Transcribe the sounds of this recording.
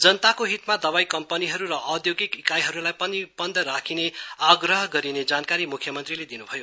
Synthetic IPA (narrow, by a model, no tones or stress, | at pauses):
d͡zʌnʌt̪akoɦit̪mad̪ʌβajkʌmpʌniɦʌɾuɾʌʔːd̪joɡikikajɦʌɾulajpʌnibʌnd̪ʱʌɾakʰineaɡrʌɦʌɡʌɾined͡zankaɾimukʰjʌmʌnt̪riled̪inubʱʌjo